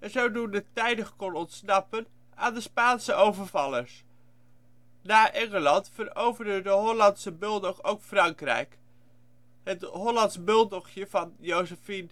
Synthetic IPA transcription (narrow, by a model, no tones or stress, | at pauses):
ɛnzowdundətɛjdəχkɔnɔntsnɑpən | a̰ːndəspaːnsəʔowvəɹvɑləɹs | naːʔɛŋəlɑntfərowvəndədəɦɔlɑntsəbølˠdɔχowkfrɑŋkrɛ̰jk | ɦətɦɔlɑntsbølˠdɔχjəv̥ɑnjowsəfin